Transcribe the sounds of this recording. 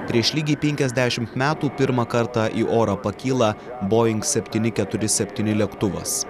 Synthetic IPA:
pʲɾʲiɛʃlʲiːɡʲipʲɛŋʲkʲɛzʲd̪ʲæʃʲɪmt̪mʲæːt̪uːpʲɪɾmɐkɐɾt̪ɑʔiːʔoːɾɐpɐkʲiːlˠɐboːɪŋksʲɛpʲt̪ʲiːnʲɪkʲɛt̪ʊɾʲɪsʲɛpʲt̪ʲiːnʲɪlʲiɛkt̪ʊʋɐ̰s

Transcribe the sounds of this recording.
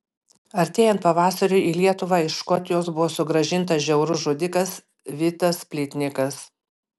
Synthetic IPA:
ɐɾʲt̪ʲeːjɛnt̪pɐʋɑːsɐɾʲʊɪiːlʲiɛt̪ʊʋɑːɪʃkɔt̪ʲɪjoːsbʊʋoːsʊɡɾɐʒʲɪnˑt̪ɐʒʲɛʊɾʊʒoːd̪ʲɪkɐs | ʋʲɪt̪ɐspʲlʲɪt̪ʲnʲɪkɐs

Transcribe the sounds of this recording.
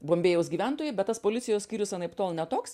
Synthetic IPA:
boːmʲbʲeːjɛʊs̬ɡʲiːʋʲænt̪oːjɛɪbʲɛt̪t̪ɐspoːlʲɪt̪sʲɪjoːssʲkʲiːɾʲʊsɐnɐɪpt̪oːlˠnʲɛt̪oːks

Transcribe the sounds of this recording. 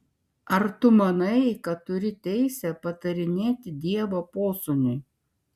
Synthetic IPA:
ɐɾt̪ʊmɐnɐɪkɐt̪ʊɾʲɪt̪ʲɛɪsʲɛpɐt̪ɐɾʲɪnʲeːt̪ʲɪd̪ʲiɛʋoːpoːsʊnʲʊɪ

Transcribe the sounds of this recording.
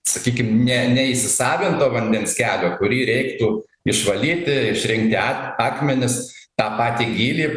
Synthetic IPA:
sɐkʲiːkʲɪmnʲɛnʲɛɪʃʲsʲɪsɑːʋʲɪnt̪oːʋɐnʲd̪ʲɛnskʲæːlʲoːkʊɾʲiːɾʲɛɪkt̪uː | ɪʃʋɐlʲiːt̪ʲɪɪʃʲɾʲɪŋk̚t̪ʲɪɑɑːkmʲɛnʲɪst̪ɑːpɑːt̪ʲiːɡʲiːlʲiː

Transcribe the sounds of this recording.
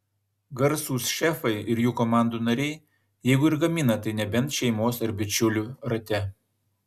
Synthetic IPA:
ɡɐɾsuːsʃʲɛfɐɪɪɾjuːkomɑˑnd̪uːnɐɾʲɛɪ | jɛɪɡʊɪɾɡɐmʲɪnɐt̪ɐɪnʲɛbʲɛnt̪ʃʲɛɪmoːsɐɾbʲɪt͡ʃʲʊlʲuːɾɐt̪ʲɛ

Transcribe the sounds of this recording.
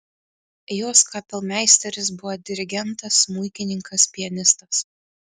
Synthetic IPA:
joːskɑːpʲɛlˠmʲæˑɪsʲt̪ʲɛɾʲɪs̬bʊʋod̪ʲɪɾʲɪɡʲɛnt̪ɐsmʊɪkʲɪnʲɪŋkɐspʲɪjɛnʲɪst̪ɐs

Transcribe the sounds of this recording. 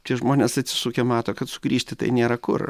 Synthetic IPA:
t̪ʲiɛʒmoːnʲeːsɐt̪ʲsʲɪ̥suːkʲemɑːt̪oːkɐt̪sʊ̥ɡɾʲiːʃʲt̪ʲɪt̪ɐ̰ɪnʲeːɾɐkʊ̰r

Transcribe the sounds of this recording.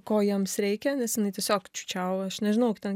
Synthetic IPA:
koːjimsɾʲɛɪkʲɛnʲɛsjɪnɐɪt̪ʲiɛsʲoːkt͡ʃʲuːt͡ʃʲɛʊɐʃnʲɛʒʲɪnɐʊkt̪ʲɛn

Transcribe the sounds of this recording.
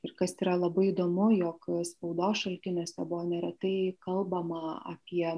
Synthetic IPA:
ɪɾkɐsiːɾɐlˠɐbɐɪid̪oːmʊjoːkspɐʊd̪oːʃɐlʲt̪ʲɪnʲoːsʲɛbʊʋoːnʲɛɾʲɛt̪ɐɪkɐlˠbɐmɐɐ̰pʲiɛ

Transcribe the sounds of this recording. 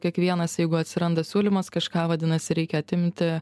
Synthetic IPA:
kʲiɛkʋʲiɛnɐsjɛɪɡʊɐt̪ʲsʲɪɾɐnd̪ɐsʲuːlʲɪmɐskɐʃkɑːʋɐd̪ʲɪnɐsʲɪɾʲɛɪkʲɛɐt̪ʲɪmʲt̪ʲɪ

